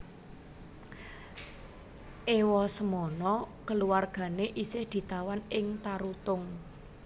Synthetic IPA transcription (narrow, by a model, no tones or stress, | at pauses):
ʔewɔsəmɔnɔkəluwarɡ̥a̤neʔisɪhd̪̥i̤t̪awanɪŋt̪aɾut̪ʊŋ